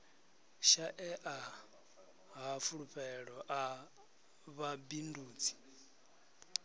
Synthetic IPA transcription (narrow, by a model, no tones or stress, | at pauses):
ʃaʔɛʔa | ɦafuɺuɸɛɺɔʔa | βabinduːt͡sʰi̥